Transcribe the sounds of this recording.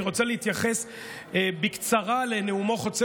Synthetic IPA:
iʁo̞t͡saleit̪jaχes | ebikt͡saʁaleneumo̞χo̞t͡se

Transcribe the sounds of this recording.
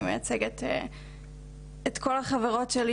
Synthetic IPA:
mejat͡seɡet̪ | et̪kʰo̞laχaveʁo̞tʃeli

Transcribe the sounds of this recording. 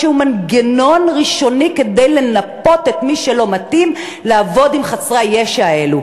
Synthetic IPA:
eumanɡeno̞nʁiʃo̞nike̞d̪ejle̞napo̞tet̪miʃelo̞mat̪im | leavo̞dimχat͡sʁajeʃae̞lu

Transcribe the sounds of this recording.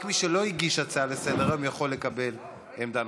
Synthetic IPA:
kmiʃelo̞iɡiʃat͡salesedeʁemjaχo̞lːekabe̞l | emd̪an

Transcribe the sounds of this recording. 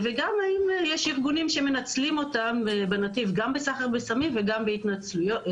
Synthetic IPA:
veɡamaimjɛʃiʁɡunimʃeme̞nat͡slimo̞tambenativɡambesaχaʁbesamimveɡambeitnat͡slujo

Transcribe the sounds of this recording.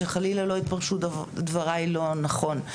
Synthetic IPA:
eχalilalo̞it̪̚paʁʃuddvaʁailo̞naχo̞n

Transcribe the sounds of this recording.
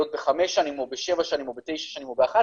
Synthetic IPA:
ot̪̚beχameʃanimobeʃevaʃanimobet̪e̞jʃaʃanimobeaχa

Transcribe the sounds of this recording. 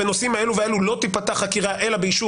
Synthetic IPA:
enosimhae̞luveelulo̞t̪ipat̪aχakiʁaʔe̞labeiʃu

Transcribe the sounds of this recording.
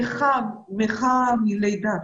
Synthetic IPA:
χa | meχamilejd̪a

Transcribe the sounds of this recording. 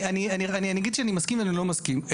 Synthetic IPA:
anianianianiaɡid̪ʃeanimaskimveanilo̞maskim

